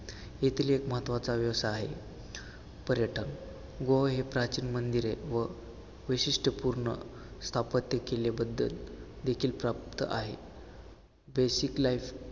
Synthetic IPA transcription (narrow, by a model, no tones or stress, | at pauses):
jet̪ʰliekməɦət̪ʋat͡saʋjəʋst̪aːɦe | pəɾjəʈʰən | ɡoɦɦepɾat͡ɕiːnmənd̪iɾeʋə | ʋiɕiʂʈʰəpuɾɳə̰ | st̪ʰapət̪jəkelebəd̪ːə̰l | d̪ekʰiːlpɾapt̪əʔaɦḛ | besiklajf